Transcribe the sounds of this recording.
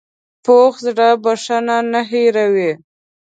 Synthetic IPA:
poxzɽabaʂananaɦiɾawi

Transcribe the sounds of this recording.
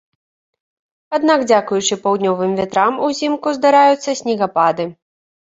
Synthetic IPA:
ad̪naɡd͡zʲakujut͡ʂɨpawd̪nʲɔvɨmvʲɛt̪ɾamuzʲimkuzd̪aɾajut̪sːɐsʲnʲiɣapad̪ɨ

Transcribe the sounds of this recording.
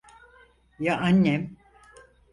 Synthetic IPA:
jaʔanːem

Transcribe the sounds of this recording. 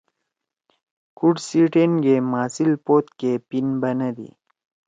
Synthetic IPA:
kuɖsiʈenɡemaːsilpoːt̪kepinbɐnɐd̪ḭ

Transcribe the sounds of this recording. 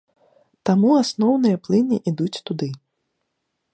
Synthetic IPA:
t̪amuasnɔwnɨjɐplˠɨnʲiʔid̪ut͡sʲt̪ud̪ɨ

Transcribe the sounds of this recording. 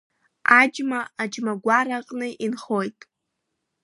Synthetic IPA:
ad͡ʒmaːd͡ʒmaɡʷaɾaqʼnɨʔinχo̞jtʼ

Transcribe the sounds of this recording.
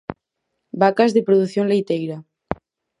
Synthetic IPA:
bakazðepɾoðuθjonlejt̪ejɾa

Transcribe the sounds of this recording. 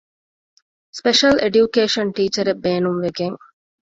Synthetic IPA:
speʃɐlʔeɖjukeːʃɐnʈiːt͡ʃɐɾebːeːnumʋeɡeŋ

